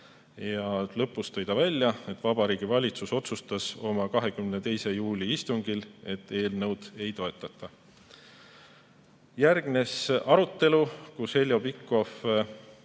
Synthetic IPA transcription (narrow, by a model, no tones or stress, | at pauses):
jɑlɤ̞pːust̪ɤjd̪ɑvælʲːjɑe̞t̪ːˑvɑb̥ɑɾiːɡ̥ivɑlʲit̪suso̞t̪sust̪ɑso̞mɑkɑɦe̞kymnet̪e̞jse̞juːlʲiist̪uŋɡ̥ile̞t̪ˑːe̞ːlnɤwd̪̥e̞jt̪o̞e̞t̪ːˑɑt̪ːˑɑ | jærɡ̥ne̞sʔɑɾut̪ːe̞lukushe̞lʲjo̞bikːˑo̞f